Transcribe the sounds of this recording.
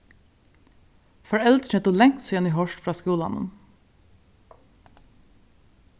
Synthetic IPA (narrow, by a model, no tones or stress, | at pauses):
fɔɹɛlt̪ɛt̪ʊːlɛŋsɔjɛniːɦɔʃʈfɹɑːskuːlɑ̰nə̰n